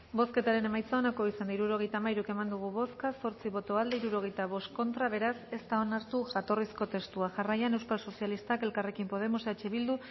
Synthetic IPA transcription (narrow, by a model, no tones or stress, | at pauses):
bo̞ske̞t̪aɾe̞ne̞majt͡sao̞nako̞isand̪aiɾuɾo̞ɣe̞jt̪aːmajɾuke̞mand̪uɣ̞uβo̞skaso̞ɾt͡siβo̞t̪o̞ald̪eiɾuɾo̞ɣ̞e̞jt̪aβ̞o̞st̪ko̞nt̪ɾaβ̞e̞ɾase̞st̪ao̞naɾt̪uʝat̪o̞risko̞t̪e̞st̪uaʝarajane̞wskalso̞sijalist̪ake̞lkare̞kimpo̞ð̞e̞moseat͡ʃe̞β̞ild̪u